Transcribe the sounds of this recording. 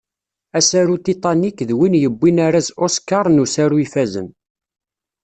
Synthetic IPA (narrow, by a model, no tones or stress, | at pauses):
æsæɾut̪it̪ˤɑnikːðwinjəbːinaɾazoskɑɾˤnusaɾuifæzə̰n